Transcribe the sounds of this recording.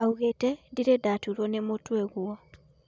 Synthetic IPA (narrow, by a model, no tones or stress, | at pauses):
auɣetɛdiɾedatuɾwɔnemotwɛɣwɔ